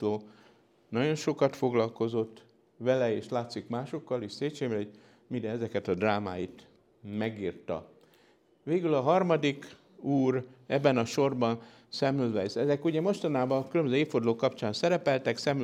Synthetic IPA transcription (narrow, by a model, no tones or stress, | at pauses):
oː | nɒɟo̞nʃo̞kɒt̪fo̞ɡlɒlko̞zo̞t̪ː | ʋɛlɛeːʃlaːt̪sikmaːʃo̞kːɒliʃseːt͡ʃeːbɛo | midɛɛzɛkɛt̪ɒd̪raːma̰ːjit̪ | mɛɡiːrt̪ɒ̰ | ʋeːɡylɒɦɒrmɒd̪ik | uːrɛbːɛnɒʃo̞rbɒn | sɛmylvɛjsɛzɛkuɟɛmo̞ʃt̪ɒnaːbɒkylømbøzøeːfford̪loːkːɒpt͡ʃaːnsɛɾɛpɛlt̪ɛksɛm